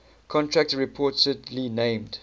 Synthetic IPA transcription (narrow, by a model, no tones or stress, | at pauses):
kʰɔ̃ntʰɹæk̚tɹipʰɔˑtədlinẽɪ̃md